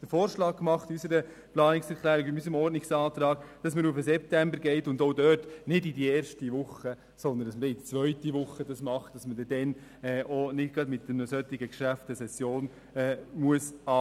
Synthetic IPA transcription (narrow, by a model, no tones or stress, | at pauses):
d̥əfoːɾʃlɑːk̚ːmɑχtysəɾə | plɑːnɪksɛɾklæːɾɪɡɪnysɾəmɔrdnɪksɑːt̪ɾɑːɡ̥d̥ɑsməɾufəsɛp̚tɛmbəɾɡɛɪtʊndoʊdœːtnɪdidiɛːɾʃtiʋʊχːə | sɔnd̪əndɑsməɛɪt͡sʋœʏtiʋʊχːədɑsmɑχtd̥ɑsmədɛdɛn | ɛːʔonɪd̚ɡɾɑdmɪtdənəsœt̪ːɪɡəkʃæftəsɛsjoːn | ɛːmuəsɑː